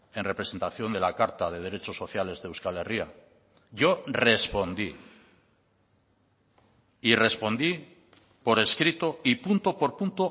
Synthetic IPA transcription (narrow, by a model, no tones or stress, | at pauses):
e̞nre̞pɾese̞nt̪aθjo̞nd̪e̞lakaɾt̪að̞e̞ðe̞ɾe̞t͡ʃo̞sːo̞θjale̞zðeewskale̞ria | ʝo̞re̞spo̞nd̪i | ire̞spo̞nd̪i | po̞ɾe̞skɾit̪o̞ipunt̪o̞po̞ɾpunt̪o